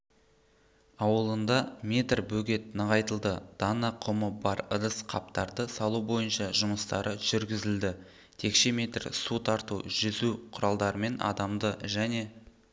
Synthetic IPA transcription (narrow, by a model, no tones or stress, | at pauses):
ɑwəlˠənd̪ɑmʲe̞t̪rbɵɡʲe̞t̪̚nəʁɑjt̪əlˠd̪əd̪̥ɑnɑqʰʊməbɑɾəɾəsqʰɑp̚t̪ɑɾd̪əsɑlˠubo̞jənʃɑʒʊməst̪ɑɾəʒ̥ʏɾɡʲɪzɪld̪ɪ | t̪ʰe̞kʃe̞mʲe̞t̪rsut̪ʰɑɾt̪ṵʒʏzuqʰʊɾɑlˠd̪ɑɾəme̞nʔɑ̰d̪ɑmd̪əʒæne̞